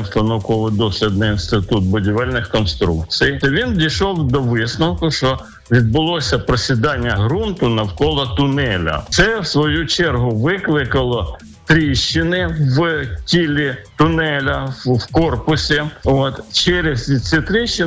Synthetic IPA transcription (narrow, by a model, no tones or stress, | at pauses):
st̪ɐnɔwkɔʋɪjd̪ɔslʲɪd̪nɐinst̪ɪt̪ut̪̚bʊdʲiʋɛlʲnɪxkɔnst̪ɾṵk̚t͡sʲijt̪ɔʋʲind̪ʲijʃɔwd̪ɔʋɪsnɐwkʊʃt͡ʃɔ | ʋʲid̪̚bʊlˠɔsʲɐpɾɔsʲid̪ɑnʲːɐɦɾunt̪ʊnɐwkɔlˠɐt̪ʊnɛlʲɐ̰t̪sɛwsʋɔjut͡ʃɛrɦʊʋɪklˠɪkɐlˠɔ | t̪ɾʲiʃt͡ʃːɪnɪʋtʲilʲit̪ʊnɛlʲɐwkɔrpʊsʲiot̪t͡ʃɛɾʲɪzʲit͡s̪ʲit̪ɾiʃt͡ʃːɪ